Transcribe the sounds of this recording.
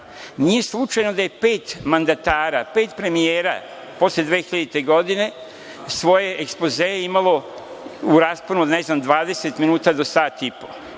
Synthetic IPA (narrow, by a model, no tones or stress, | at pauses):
nije̞slˠut͡ʃajno̞d̪aje̞pe̞ːt̪mand̪at̪aːɾa̰pe̞ːt̪pɾe̞mijeːɾa̰ | po̞sled̪ʋexiʎed̪it̪e̞ɡo̞d̪ine̞ | sʋo̞je̞ʔekspozeeimalo̞ | uɾaːsponuod̪ne̞znamd̪ʋaːd̪e̞set̪minuːt̪ad̪o̞saːt̪ipo̞